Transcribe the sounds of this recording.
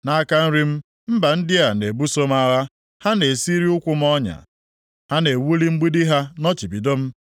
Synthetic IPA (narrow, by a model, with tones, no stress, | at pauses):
na˦ka˦n̩˦ɾi˦m̩˦ | m̩˦ba˨n̩˦dɪ˦a˨ne˨bu˦so˦m˦a˦ɣa˦ | ha˦ne˨si˦ɾi˦ʊ˦kʷʊ˦m̩˦ɔ˦ɲa̰˨ | ha˦ne˨wu˦li˦ŋ͡m̩˦ɡ͡bi˦dɪ˦ɦa˦nɔ˦t͡ʃi˨bi˨do˦m̩˦